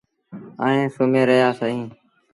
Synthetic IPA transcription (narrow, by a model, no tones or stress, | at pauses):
ə̰ːẽːsoːmẽːɾəɦjaːsəɦĩː